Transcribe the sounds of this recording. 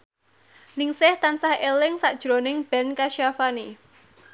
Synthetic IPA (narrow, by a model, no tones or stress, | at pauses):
nɪŋsɪht̪ansahelɪŋsaʔd̥ʒ̥ɾonɪŋb̥ɛ̤nkaʃiafani